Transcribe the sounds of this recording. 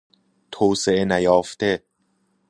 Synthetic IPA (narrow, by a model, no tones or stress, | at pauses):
t̪ʰoːwseʔenæjɒːft̪e